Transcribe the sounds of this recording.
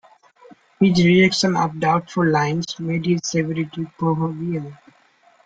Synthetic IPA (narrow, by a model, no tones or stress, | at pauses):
hɪd͡ʒɾiɛkʃə̃nɔ̰ʋɖaʊʈfʊlːãɪ̃nsmeːɖɪzseʋɛɾɪʈipɾoɦobiə̃n